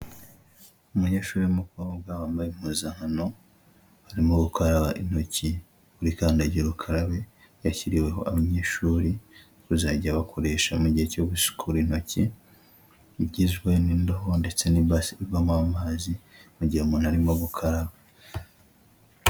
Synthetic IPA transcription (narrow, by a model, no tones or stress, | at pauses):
umuɲe̞ːʃuːɾiumuko̞ːbɡawaːmbajim̥huːzaŋano̞ | haɾimoɡukʰaɾaβaʔin̥ho̞ci | βuɾikaːndaɟiɾukʰaɾaβe | jaciɾiwe̞ɦo̞̰ʔaβaɲe̞ːʃuːɾi | kuzaɟiaβakʰo̞ɾe̞ʃamuɟiheco̞ɡusu̥kʰuɾin̥o̞ci | iɟizɡwenindoɦonde̞t͡se̞niasiamuamaːzimuɟiɾaumuːnaɾimoɡukʰaɾaβa